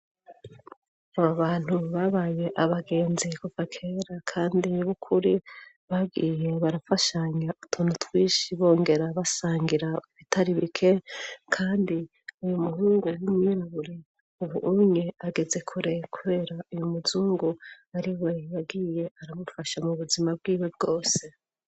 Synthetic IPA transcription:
aβaβaːn̥huβaβaje̞ʔaβaɡe̞ːnzikuvakʰeɾakʰaːndiβukʰuɾi | βaɡiːje̞βaɾafaʃaɲaʔutʰunutʰwiːʃiβo̞ːŋɡe̞ɾaβasaːŋɡiɾauβitʰaɾiβikʰe̞kʰaːndi | ujumuhuːŋɡujimɲiɾaβuɾi | uβuʔuɲe̞aɡe̞ze̞kʰuɾe̞kʰuβe̞ːɾaujumuzuːŋɡu | aɾiwejaɡije̞aɾamufaʃamuβuzimabɡiːweb̚ɡo̞ːse̞

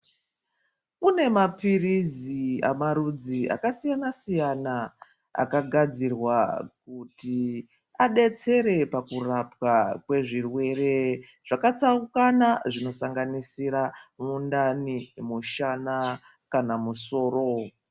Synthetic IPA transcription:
une̞mapirizia̰maɾud͡zia̰kasijanasijana | a̰kaɡʱad͡zirwakuti | aɗe̞t͡se̞ɾe̞pakurapwakwe̞ʐirwe̞re̞ | ʐ̥akat͡saukanaʐino̞saŋɡanisiɾamundanimuʃana | kanamuso̞ːro̞

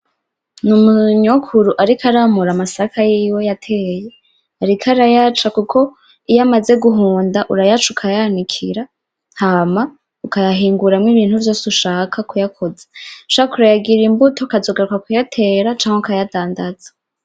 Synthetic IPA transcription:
numuɲokʰuɾuʔaɾikʰaɾamuɾamasakʰajiːwe̞jatʰe̞ːje̞ | aɾikʰaɾajat͡ʃakukʰo̞ | ijamaze̞ɡuɦuːndaʔuɾajat͡ʃukʰajanikʰiɾa | haːma | ukajaɦiːŋɡuɾamŋiβiːnhuɾjo̞ːsuʃaːkʰakujakʰoze̥uʃakuɾajaɡiɾimbuto̞kazo̞ɡaɾukakujatʰe̞ːɾat͡ʃaːŋheukajadaːndaz̥ḁ

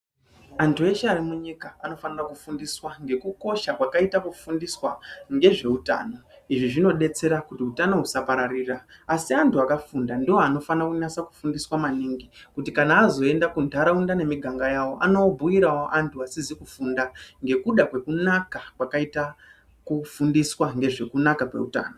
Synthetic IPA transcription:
antue̞ʃaːɾimuɲikaano̞fanirakufundiswaŋɡe̞kuko̞ʃakwakaitakufundiswaŋɡe̞ʐe̞uta̰ːno̞ | iʐiʐino̞ɗe̞t͡se̞ɾakutiutano̞ɦusapaɾariːraːsiantuakafundandiwoano̞fanrakunasaku̥fundiswamaniːŋɡikutikanaːzo̞e̞ndakundʱaɾaundane̞miɡʱaŋɡajawo̞ʔa̰no̞bʱuiɾawoʔantʰuasizikufundaŋɡe̞kuɗakwe̞kunakakwakaita | kufundiswaŋɡe̞ʐe̞kunakakwe̞̰uta̰ːno

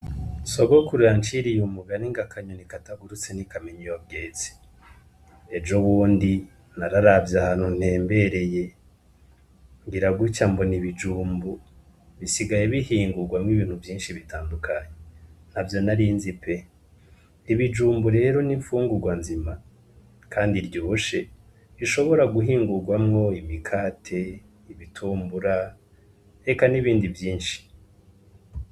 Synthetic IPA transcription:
soɡo̞kuɾujant͡ʃiɾijumuɡaniŋɡakʰaɲonikataɡuɾut͡senikameɲijob̚ɡeːt͡si̥ | d͡ʒoβuːndi | naɾaɾavjahan̥hun̥he̞ːmbe̞ɾe̞je̞ | ŋɡiɾaɡut͡ʃamboniβid͡ʒuːmbu | βisiɡajeβihiːŋɡuɡwamŋiβiːn̥huvjiːnʃiβitaːndukʰaɲen̥havjo̞naɾinzipe̞ | iβid͡ʒuːmbuɾe̞ːɾo̞niɱfuːŋɡuɡwanzima | kʰaːndiɾɟoʃe̞ | βiʃo̞βo̞ɾaɡuɦiːŋɡuɾɡwamŋo̞imikʰaːtʰe̞ | iβitʰuːmbuɾa | ɾe̞kaniβiːndivjiːnʃi̥

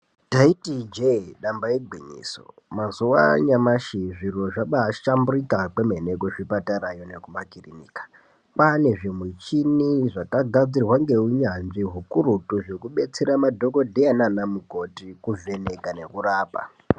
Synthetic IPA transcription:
taitid͡ʒeɗambajeɡʱwiɲḭːso̰ | mazuwa̰ɲamaʃiʐiroʐaɓaʃamburikakemenekuʐipataɾajonekumakiriniːkḁ | pane̞ʐemwit͡ʃiniʐakaɡʱad͡zirwaŋɡe̞uɲanʐiɦukuɾutuʐekuɓe̞t͡seɾamadʱo̞ko̞dʱeananamukotikuve̞ne̞kane̞kuraːpa̰

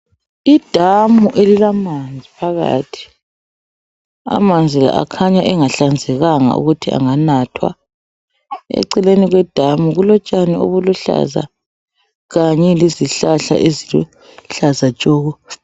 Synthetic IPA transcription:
id̥ʱamuʔelilamand͡zʱipʰaɣa̰tʰi̥ | a̰mand͡zʱila̰ʔa̰kʰaɲaʔɛŋaɬand͡zʱɛɣaŋa̰ʔṵɣutʰiʔa̰ŋanatʰwa̰ | ɛ̰ǀɛleniɣwɛd̥ʱamuɣulɔt͡ʃʼanio̰βuluɬa̰za̰ | ɣaɲɛliziɬaɬa̰ʔezilu | ɬazat͡ʃʼɔːɣɔ

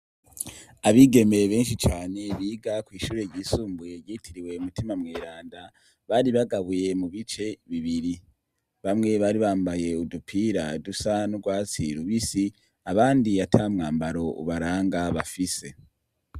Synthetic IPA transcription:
aβiɡe̞meβe̞ːnʃit͡ʃaːne̞βiːɡakwiːʃuːɾe̞ɾɟiːsuːmbuje̞ɾɟiːtiɾiwe̞umutimamŋeːɾaːnda | βaɾiβaɡaβuje̞muβit͡ʃe̞βiβiɾi | βamŋe̞βaːɾiβaːmbaje̞udupʰiːɾadusanuɾɡwaːt͡siɾuβisi | aβaːndiatʰamŋaːmbaɾo̞ʔṵβaɾaːŋɡaβafise̞

